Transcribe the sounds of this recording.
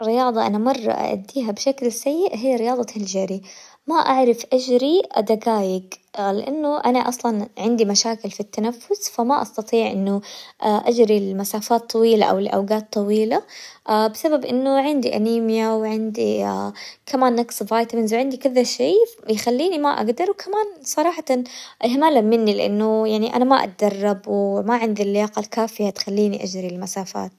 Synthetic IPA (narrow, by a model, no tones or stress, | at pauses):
rɪjɑːðˤɑʔa̰namɑrˤːɑ̰ʔa̰ʔa̰d̪ːiːɦabʃaklɪsːajːɪʔɦiːɾɪjɑːðˤɑhɪld͡ʒaɾi | maʔaʕɾɪfʔad͡ʒɾid̪aɡaːjɪɡlɪʔanːʊʔanaʔɑsˤlɑnʕɪnd̪imaʃaːkɪlfit̪ːanafːʊsfamaʔɑst̪ɑt̪ˤiːʕʔɪnːʊʔʔad͡ʒɾilmasaːfaːt̪ˤːɑwiːla̰ʔa̰wɪlʔa̰wɡaːt̪ˤːɑwiːlaʔabɪsababʔɪnːʊʕɪnd̪iʔa̰niːmjawʕɪnd̪ia̰kamaːnːaksvaːjt̪amɪnzwʕɪnd̪ikʊðaʃeːjxalːiːnimaʔa̰ɡd̪ɑɾwkʰamaːnsˤɑɾˤɑːħɑt̪ɑnʔɪɦmaːlamɪnːilɪʔa̰nːʊjaʕniʔa̰namaʔa̰t̪̚d̪ɑrˤːɑbwmaʕɪnd̪ilːɪjaːqalkaːfɪjat̪xalːiːniʔad͡ʒɾilmasaːfa̰ːt̪̚